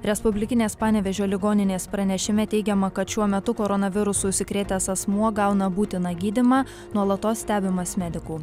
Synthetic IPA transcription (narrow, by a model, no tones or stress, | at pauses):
ɾʲɛspʊbʲlʲɪkʲɪnʲeːspɑːnʲɛʋʲɛʒʲoːlʲɪɡoːnʲɪnʲeːspɾɐnʲɛʃʲɪmʲɛt̪ʲɛɪɡʲɛmɐkɐt̪ʃʲuɔmʲɛt̪ʊkoɾɔnɐʋʲɪɾʊsuːʊʃʲsʲɪkɾʲeːt̪ʲeːsɐsmuɔɡɑʊnɐbuːt̪ʲɪnɑɡʲiːd̪ʲɪmɑː | nuɔlˠɐt̪oːsʲsʲt̪ʲæːbʲɪmɐsmʲɛd̪ʲɪkuː